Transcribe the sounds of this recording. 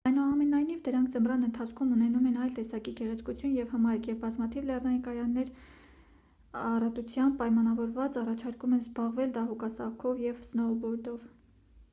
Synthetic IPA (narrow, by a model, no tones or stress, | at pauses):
ɑjnuɑmɛnɑjnivd̪əɾɑŋkʰd͡zəmrɑnənt̪ʰɑt͡sʰkʰumunɛnumɛnɑjlt̪ɛsɑkiɡɛʁɛt͡sʰkut͡sʰjunjɛvhəmɑɾkjɛvbɑzmɑt̪ʰivlɛrnɑjinkɑjɑnːɛɾ | ɑrɑt̪ut͡sʰjɑnpɑjmɑnɑvɔɾvɑt͡sɑrɑt͡ʃʰɑɾkumɛnzbɑʁvɛld̪ɑɦukɑsɑkʰɔvjɛvsnɔlbɔɾd̪ɔv